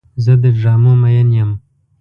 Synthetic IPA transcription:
zəd̪əʐɑːmomajanjəm

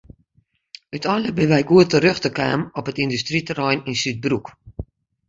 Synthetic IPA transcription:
ytʰɔnləbəʋɛjkuətəɾøxtəka̰ːmɔpətindystritərɔjninsyt̚bruk

